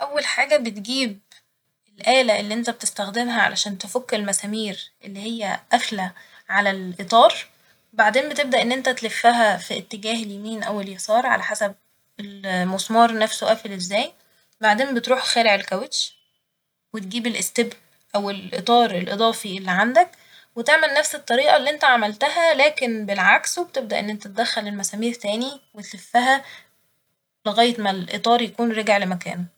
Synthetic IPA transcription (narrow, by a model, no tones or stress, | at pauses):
ʔæwːælħaːɡæbet̪ɡiːb̚ | ʔelʔæːlæʔelːiːʔent̪æbet̪est̪æxd̪emɦæʕa̰lʔæ̰ʃæːnt̪efokːelmæsæːmiːɾʔelːihejːæʔæflæ | ʕalælʔet̪ˤɑːɾˤ | baʕd̪eːmbet̪eb̚d̪æʔenːʔent̪æt̪lefːæɦæfiet̪ːeɡæːheljemiːnʔæweljɑsˤɑːɾˤʕa̰læħasæb̚ | elmosˤmɑːɾˤnæfsoʔæflezːæːj | baʕd̪eːmbet̪ɾuːħxæːleʕelkæwet̪ʃ | wet̪̚ɡiːbelʔest̪eb | ʔæwelʔḛt̪ˤɑːɾˤelʔed̪ˤɑːfiʔelːiʕand̪æk | wet̪eʕmelnæfset̪ˤːɑɾiːʔɑlːiːʔent̪æʕamælt̪æɦælæːkenbelʕaksweb̚t̪eb̚d̪æʔḛnːʔent̪æt̪̚ed̪æxːælelmæsæːmiːɾt̪æːniwet̪lefːæɦæ | leɣæːjːet̪mælʔḛt̪ˤɑːɾˤjækuːnɾeɡeʕlemækæ̰ːno